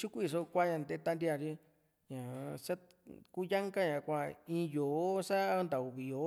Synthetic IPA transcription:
t͡ʃu˦ku˦i˧ʂo˧kʷa˦ɲã˧nd̪e˧˦t̪a˦˧ndi˧˦a˧ɾi˦ | ɲã˨ʂa˦ | ku˦ja˦ŋka˦ɲã˧˨kʷa˧ĩː˧˦joː˨˦sa˦˧˦nd̪a˨u˨βi˨jo˨˦

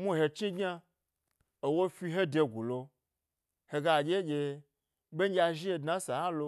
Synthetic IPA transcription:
mu˦ɦe˧t͡ʃi˦ɡʲɲa˦ | o˨wo˦fi˧ɦe˦de˧ɡu˨lo˧ | he˧ɡa˧˨d͡ʒʲe˦d͡ʒʲe˧ | ɓʲe˦a˧ʒi˦e˧dna˦sa˨ha˦lo˧

